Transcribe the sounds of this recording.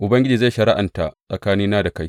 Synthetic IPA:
ʔʊ˨bɐ˦ŋɡʲɪ˦d͡ʒiː˨za˦˨jʃɐ˨ɾɪ̰˦ʔa̰˨nta˨sʼɐ˨kaː˦nɪ˦nːaː˦da˨ka˦j

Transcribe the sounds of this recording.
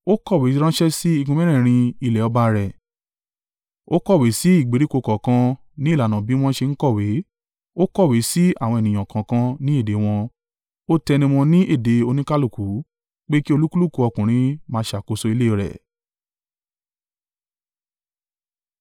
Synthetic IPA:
o˦kɔ˦˨we˨˦ɾ̃ã˦ʃɛ˦si˦i˦˧ɡũ˧mɛ̃˦ɾɛ̃˦˨ɾ̃ĩ˧i˧˨lɛ˨ɔ˧ba˧ɾɛ˨ | o˦kɔ˦˨we˨˦si˦i˦˨ɡ͡be˨˦ɾi˦ko˧kɔ˨kã˧ | nĩ˦˨la˨nã˨bi˨˦w̃ɔ̃˦ʃe˧n̩˦kɔ˦˨we˨˦ | o˦kɔ˦˨we˨˦si˦a˦˨w̃ɔ̃˧e˨nĩ˨j̃ã˨kã˨kã˧nĩ˦e˦˨de˨˦w̃ɔ̃˧ | o˦tɛ˧nĩ˧w̃ɔ̃˧nĩ˦ʔe˦˨de˨˦o˧nĩ˦ka˦lu˦˨ku˨˦ | k͡pe˦ki˦o˧lu˦ku˦lu˦˨ku˧ɔ˧kũ˨ɾ̃ĩ˧˦mãː˧˦ʃa˨ko˧so˧i˧le˦˧˨ɾɛ̰˨

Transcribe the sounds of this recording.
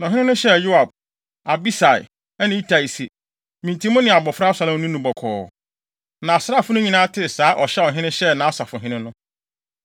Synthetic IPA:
nɔ̃˨ɦɪ̃˦nɪ̃˦nʊ̃˦ɕɛ˦˨jo˦a˨b̚ | a˨bi˦sa˨ɪ̰˨ | ɛ˦nɪ̃˦i˦tʰa˨i˨si˨ | mĩ˨ntʰĩ˦mʊ̃˦nɪ̃˨a˨bɔ˨fɾa˦sa˨lɪ̃˦m˦nʊ̃˦nũ˨bɔ˨kʰɔ̰ː˨ | nã˨sɾa˦˨fʊ˦nʊ̃˦ɲĩ˨nãː˦tʰɪ˦˨saː˦ʔɔ˨ɕɛ˦ɔ˨ɦɪ̃˦nɪ̃˦ɕɛ˦nã˨˦sa˨fʊ̃˨ɦɪ̃˦nɪ̃˦nʊ̃˦

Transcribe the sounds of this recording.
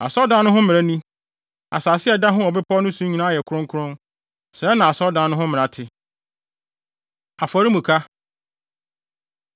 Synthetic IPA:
a˨sɔ˦dã˨˦nʊ̃˦ɦʊ̃˦mɪ̃˨a˦nĩ˦ | a˨saː˨sɪ˦ɛ˨da˦ɦʊ̃˦ɔ˨bɪ˦pʰɔ˦nʊ̃˦sũ˦ɲĩ˨nã˦jɛ˨kʰʊ˦ɾʊ̃˦ŋkʰʊ˦ɾʊ̃˦n | sɛ˨˦nã˨a˨sɔ˦dã˨˦nʊ̃˦ɦʊ̃˦mɪ̃˨ã˨tʰɪ˨ | a˨fɔ˨ɾi˦mũ˨kʰa˦

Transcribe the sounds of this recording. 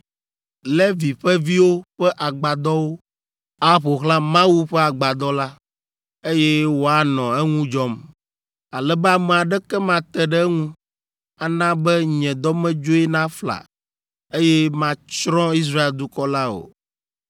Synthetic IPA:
le˦vi˨ɸɛ˦vi˦wo˦ɸɛ˦ʔa˨ɡ͡ba˨d̪ɔ˦wo˦ | a˦ɸo˨xlã˦mã˦wu˦ɸɛ˦a˨ɡ͡ba˨d̪ɔ˦la˦ | e˦jɛ˦wo˦a˨nɔ̃˨ɛ˦ŋũ˦d͡ʒɔ˦m | a˨lɛ˨bɛ˦a˨mɛ˨a˨ɖɛ˦kɛ˦mã˦t̪ɛ˦ɖɛ˦ŋũ˦ | a˨nã˦bɛ˦ɲɛ̃˨d̪ɔ˦mɛ̃˦d͡ʒo˦ɛ˦nã˦fla̰˨ | e˦jɛ˦mã˦t͡ʃɾɔ̃˦i˦s̬ɾa˦e˨ld̪u˦kɔ˦la˦o̰˨

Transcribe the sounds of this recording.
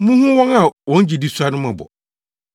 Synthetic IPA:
mũ˦hũ˦wɔ̃˦na˨wɔ̃˨n̩˦d͡ʑi˨di˦su˦a˦nʊ̃˦mã˨bɔ̰˨

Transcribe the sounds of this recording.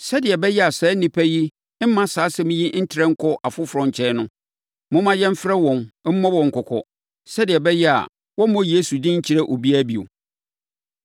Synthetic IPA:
sɛ˦dɪ˨ɛ˨bɛ˦jɛ˦a˨sɛː˨˦nĩ˨pʰæ˦ji˦ | m̩˦mã˦saː˨˦sɛ˦mĩ˦ji˦n̩˦tʰɪ˦ɾɛ̃˦ŋ̩˦kʰɔ˦ʔa˨fʊ˦fɾɔ̃˨ɲ̩˨t͡ɕʰɛ˦nʊ̃˦ | mʊ̃˦mã˦jɛ̃˦m̩˦fɾɛ˦wɔ̃˨n˦m̩˦mɔ̃˦wɔ̃˨ŋ̩˨kʰɔ˨kʰɔ̰˨ | sɛ˦dɪ˨ɛ˨bɛ˦jɛ˦a̰˨ | wɔ̃˦mɔ̃˦je˦su˨dɪ̃˦ɲ̩˦t͡ɕʰi˦ɾɛ˦ʔo˨bi˦æ˦bi˨o̰˨

